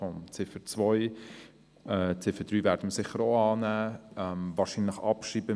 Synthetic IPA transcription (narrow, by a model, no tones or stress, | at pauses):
ɔmt͡sɪfət͡svɔj | ɛːt͡sɪfəd̥ɾyːvæːɾdəməsɪχəɾoɑːnæːɛmvɑːɾʃinləχɑ̰pʃiːbə